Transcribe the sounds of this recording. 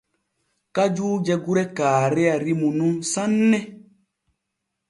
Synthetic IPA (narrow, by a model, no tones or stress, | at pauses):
kad͡ʒuːd͡ʒɛɡuɾɛkaːɾɛaɾimunumsanːɛ